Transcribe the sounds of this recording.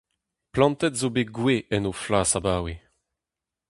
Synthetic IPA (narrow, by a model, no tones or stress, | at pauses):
plɑ̃nt̪ɛt̪zobeɡweʔɛnuflaːsabaːwe